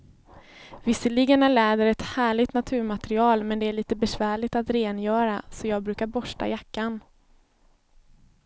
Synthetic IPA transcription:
vɪsːəliːɡənæɭɛːd̪əɾɛt̪hæːɭɪɡt̪nat̪ʰʉ̟ːɾmat̪ɾɪɑːlmɛnd̪ɛæɭiːt̪əbɛsvæːɭɪɡt̪at̪ɾeːnjœːɾasɔjɑːɡ̚bɾʉ̟ːkaɾbɔʂʈa̰jakːan

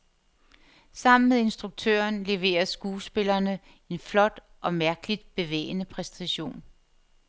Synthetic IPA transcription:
sɑ̈m̰n̩meðˠe̝nsd̥ʁuɡ̥̚t͡sʰø̰ːɐnle̝ʋe̝̰ːɐsɡ̥uːsb̥e̝lɐnə | e̝nflɒ̽d̥ | ʔɒ̽mæɐɡ̥əlid̥̚b̥e̝ʋḛːɪnəpʰʁɛsn̩t͡sʰæɕo̝̰ːn

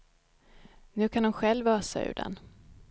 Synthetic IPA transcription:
nʉ̟ːkʰanʊmɧɛlvœːsa̰ʉ̟̰ːɖɛ̰n

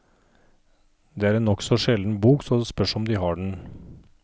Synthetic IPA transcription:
d̪ɛːæːɾeːnːɔksɔʂɛln̩buːksɔspœʂɔmd̪ɪhɑɖɳ̩

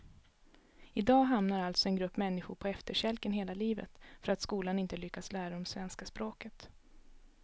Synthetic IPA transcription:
ɪd̪ɑːɦamnaɾalt̪sɔɛnɡɾɵpːmɛnːɪɧʊɾpʰɔɛft̪əʂɛlkənɦeːlaliːvə̰t̪fœɾat̪skuːlanɪnt̪əlʏkːaslæːɾaɔmsvɛnskaspɾoːkət̪

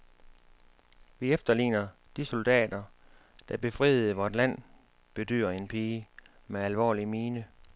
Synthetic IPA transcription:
ʋiefd̥ɐlḭːnɐ | d̥iso̝ld̥ɛ̰ːd̥ɐ | d̥æb̥e̝fʁḭðð̩ˠʋɒːd̥læn̰ | b̥e̝d̥y̰ːɐe̝npʰiː | meælʋɒ̰ːlimiːnə

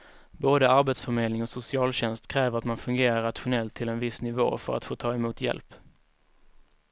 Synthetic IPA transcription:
boːd̪əaɾbeːt̪sfœɾmeːd̪lɪŋɔsʊsɪɑːlɕɛnst̪kʰɾɛːvəɾat̪manfɵŋɡeːɾaɾat̪ɧʊnɛlt̪ʰːɪlɛnvɪsnɪvo̰ːfœ̰ɾat̪foːt̪ʰɑːɛmuːt̪ʰjɛ̰lp

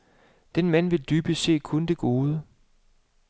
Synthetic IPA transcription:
d̥enmæn̰ʋe̝ld̥yːb̥əse̝̰ːkʰond̥e̝ɡ̥o̝ːð̞ˠə

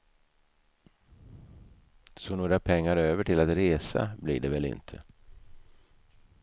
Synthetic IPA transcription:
sɔnoːɾapʰɛŋːaɾøːvəʈʰɪlat̪ɾeːsa̰blɪ̰ɖɛvɛlɪ̰nt̪ʰə

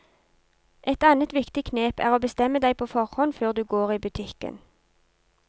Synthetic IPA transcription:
ʔɛt̪ɑːnət̪ʋɪkt̪ɪkʰneːpæ̰ːʁoːbəst̪ɛməd̪æɪpʰoːfɔʁhɔnføːʁd̪ʉːɡoːʁiːbʉt̪ʰɪkə̰n

